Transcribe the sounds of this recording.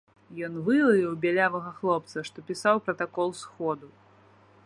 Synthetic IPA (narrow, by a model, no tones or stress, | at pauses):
jɔnvɨlˠɐvʲiwbʲalʲavɐɣɐxlˠɔp̚t̪sɐʂt̪ɔpʲisawpɾɐt̪akɔlˠsxɔd̪u